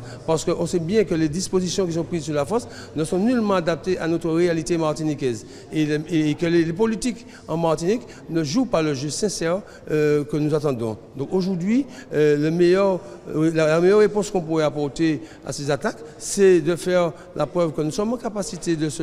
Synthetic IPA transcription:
paʁsə̥kəʔɔ̃sɛbjɛ̃kəled̪ispozisjɔ̃k̬is̬ɔ̃pχizsyʁlafɔʁs | nəsɔ̃nylmɑ̃ad̪ap̚t̪eʔanot̪χəʁealit̪emaʁt̪inikɛz | ekəlelepolit̪ik | ɑ̃maʁt̪inik | nəʒupaləʒøsɛ̃sɛʁ | kənuzat̪ɑ̃d̪ɔ̃d̪ɔ̃koʒuʁd̪ɥiləmejœʁllamejœʁːepɔ̃skɔ̃puʁɛapɔʁt̪e | a̰sezat̪aksɛd̪əfɛʁ | lʔapχœvkənusɔmɑ̃kapasit̪ed̪əsə

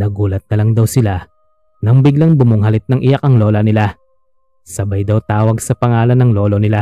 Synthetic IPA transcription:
nɐɡuːlɐt̪̚nɐlɐŋd̪ɐwsɪla | nɐŋbɪɡlaŋbʊmʊŋɦɐlɪt̪̚nɐŋʔɪjakʔɐŋlo̞ːlɐnɪla | sɐbajd̪ɐwt̪aːwɐɡsɐpɐŋaːlɐnɐŋlo̞ːlo̞nɪla

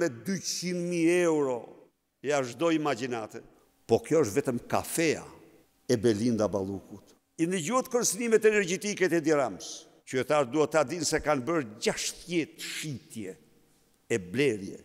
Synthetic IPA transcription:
mɛd̪yt͡ʃsind̪miɛwɾɔ | jaʒd̪ɔimad͡ʑinat̪ɛ | pɔkjɔəʃt̪vɛt̪əmka̰fɛa̰ | ɛbɛlind̪aba̰lˠukut̪ | ind̪əd͡ʑuhɛt̪kənsinimɛt̪ɛnɛɾd͡ʒɛt̪ikɛt̪ɛd̪ɛɾams | t͡ʃyɛt̪aɾd̪uhɛt̪ːad̪insɛkanbəɾd͡ʒaʃθjɛt̪ːʃit̪jɛː | blɛɾjɛ̰

